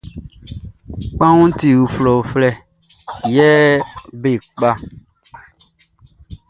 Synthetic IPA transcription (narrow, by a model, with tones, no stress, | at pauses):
k͡pã˦ŋũ˦ti˨wu˨flɔ˨flɛ˦ | jɛ˦be˦˨k͡pa˦